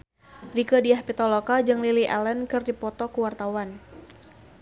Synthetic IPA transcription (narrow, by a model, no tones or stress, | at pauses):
rikədiahpit̪ɔlokad͡ʒɨŋliliʔɛlɛnkɨrdipɔt̪ɔkuwart̪awan